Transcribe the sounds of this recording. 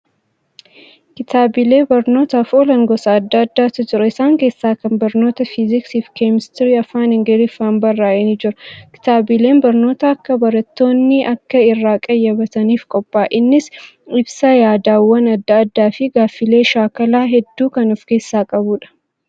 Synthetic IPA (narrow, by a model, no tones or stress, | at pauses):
kɪt̪aːbɪle̞ːbɐɾno̞ːt̪ɐfoːlɐŋɡɔsɐːd̪ːaːɐd̪ːaːt̪ɐd͡ʒɪɾɐɪsaːŋke̞ːsːaːkɐnbɐɾno̞ːt̪ɐfɪzɪksiːfkeːmɪst̪ɪɾiɐfaːnɪŋɡɐɾɪfaːnbɐrːaːɛnɪd͡ʒɪɾɐkɪ̥t̪aːbɪle̞ːnbɐɾno̞ːt̪ɐɐkːɐbɐɾɐt̪ːo̞ːnːɪʔɐkːɐɪrːaːkʼɐjːɐbɐt̪ɐniːfkʼɔpʼːaːʔɪnːɪs | ɪbsɐjaːd̪aːwːɐnɐd̪ːɐɐd̪ːaːfɪɡaːfːɪle̞ːʃaːkɐlaːɦɛd̪ːuːkɐnʊfke̞ːsːaːkʼɐbuːᶑɐ̥